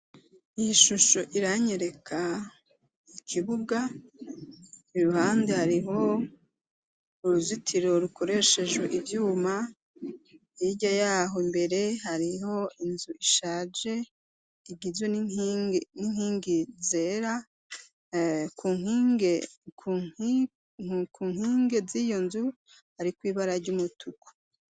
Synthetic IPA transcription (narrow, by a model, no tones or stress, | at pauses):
ijiʃuʃo̞ʔiɾaɲe̞ɾe̞kʰa | ikʰiβuɡa | ɾuhaːndehaɾiɦo̞ | uɾuzitʰiɾo̞ɾukʰo̞ɾe̞ʃe̞d͡ʒweʔivjuːma | iɟajaːɦombe̞ɾe̞haɾiɦo̞inzuiʃaːd͡ʒe̞ | iɡizwen | nin̥hiːŋɡize̞ːɾa | kuːŋie | kʰuːŋhiːŋɡe̞zijo̞nzu | haɾikwiːβaɾaɾɟuːmutukʰu̥